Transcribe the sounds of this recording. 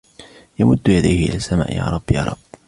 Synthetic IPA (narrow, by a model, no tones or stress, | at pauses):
jamʊd̪ːjad̪ajhɪʔɪ̰laːsːamaːʔjaːɾˤɑbːjaːɾˤɑb̥ː